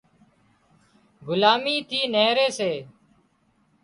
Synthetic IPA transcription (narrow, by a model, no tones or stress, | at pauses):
ɡʊlaːmiːt̪ʰiːneːɾeːseː